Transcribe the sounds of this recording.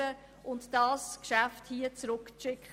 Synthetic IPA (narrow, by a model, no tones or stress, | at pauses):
ə | ʔʊntd̥ɑːskʃafthiːət͡sɾʊkʃɪkχə